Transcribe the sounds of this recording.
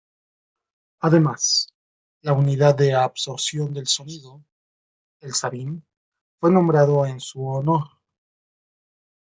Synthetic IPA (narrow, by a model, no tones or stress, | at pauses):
aðe̞mas | launiðaððeabso̞ɾsjo̞nd̪e̞lso̞niðo | elsaβin | fwe̞nõmbɾaðo̞ensuono̞ɾ